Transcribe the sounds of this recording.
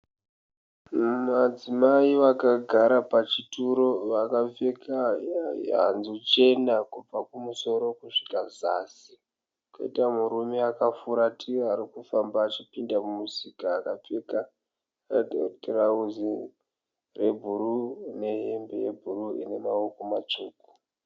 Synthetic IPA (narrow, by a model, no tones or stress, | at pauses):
mad͡zimaiʋakaɡʱaɾapat͡ʃituɾo̞ʋakap͡feka | a̰nziut͡ʃe̞nakub͡vakumuso̞ɾo̞kuʂi̥kaza̰si | ko̰ḭtamuɾumeakafuɾatʰiaɾikufambaːt͡ʃipindamumusikaːkap͡feka | otrauzi | re̞bʱuɾune̞ɦembḛje̞bʱuruḭne̞maokomat͡ʃuːku̥